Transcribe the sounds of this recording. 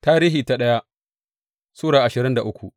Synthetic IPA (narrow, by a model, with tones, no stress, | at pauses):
taː˦ɾiː˦ɦiː˨ta˦ɗɐ˦ja˦ | suː˦ɽaː˨ʔa˨ʃɪ˨ɾɪ˦nda˨ʔʊ˦kʷu˨ʔ